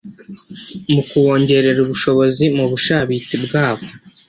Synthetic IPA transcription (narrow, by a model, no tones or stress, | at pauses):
mukuwo̞ːɲɟe̞ɾe̞ɾuβuʃo̞βo̞zimuβuʃaβit͡sibɡaːβo̞